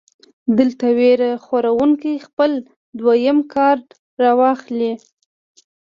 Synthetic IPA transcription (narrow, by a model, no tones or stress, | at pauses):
d̪əlt̪aweɾaxaɾawuŋkijxpəl | d̪wajəmkʰɑɾɖ | ɾɑwɑxli